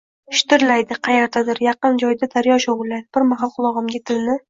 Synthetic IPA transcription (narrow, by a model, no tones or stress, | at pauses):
ʊʃt̪ɪɾlajd̪ɪqʰɑjeɾt̪ʰad̪ɪɾjɑqɨnd͡ʒɒjd̪ad̪aɾjɒʃoʁʊlːajd̪ɪb̥ɪɾmaɦalˠqʰʊlˠɒʁɨmɡʲat̪ʰɪlnɪ